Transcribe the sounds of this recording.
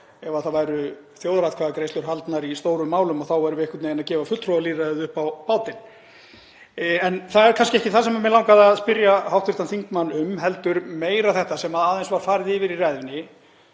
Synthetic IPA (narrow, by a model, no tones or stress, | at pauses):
ɛvaθavajɾʏ | θjowðɾaðkʰvaːɣakɾejst̪ʏɾ̥ɦalt̪naɾist̪oːwɾʏmːaːwlʏmɔθawvajɾʏvɪehkvʏt̪ɪɛnacɛːvafʏlt̪ʰɾowvaliːraðɪðʏhpawpaːwt̪ɪn | ɛnθaɛɾkʰanscɪɛhcɪθaðsɛmamjɛlawŋkaðaðspɪɾjahawht̪vʏɾt̪anθiŋkmanːʏmɦɛl̪t̪ʏɾmeːjɾaðθɛht̪asɛmaðaːðejnsvaɾ̥faːɾɪðɪːvɪɾirɛðvɪnɪ